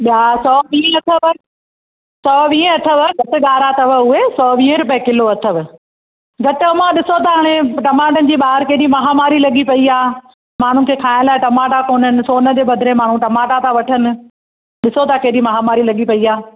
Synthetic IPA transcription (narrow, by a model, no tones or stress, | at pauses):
ɓasɔːʋĩːə̃ɐt̪ʰəʋɐ | sɔːʋĩːə̃ɐʈʰəʋɐɡʱɐʈɪɠaːɾat̪ɐʋəʊɦesɔːʋĩːə̃ɾʊp̬əẽkɪloɐt̪ʰəʋɪ | ɡʱɐʈɪɐmãɗɪsot̪ʰaɦaːɽ̃eʈɐmaːʈ̬ənɪ̆d͡ʑiːɓaːɦɪɾkɐːɗĩmɐɦamaːɾilɐɠipɐiaː | maːɳ̤ʊnɪkʰeːkʰaːɪ̃nlaːɪʈɐmaːʈakoːnənɪ̆soːnə̆d͡ʑeːbɐd̪ʱɪɾemaːɳ̤ũʈɐmaːʈat̪ʰaʋɐʈʰənɪ̆ | ɗɪsot̪ʰakeːɗĩmɐɦamaːɾilɐɠipɐiaː